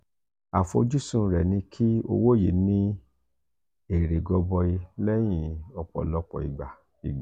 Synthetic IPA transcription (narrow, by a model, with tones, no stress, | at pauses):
a˨fo̰˧d͡ʒu˦sũ˦˨˧ɾɛ˨nĩ˧kʰi˦o̰˧wo˦˨je˨˦nĩ˦ | e˨ɾe˨ɡɔ˧bɔ˧i˧lɛ˦j̃ĩ˦˧ɔ˧k͡pɔ̰˨lɔ˦k͡pɔ̰˨i˨ɡ͡ba˨ | i˨ɡ͡ba˨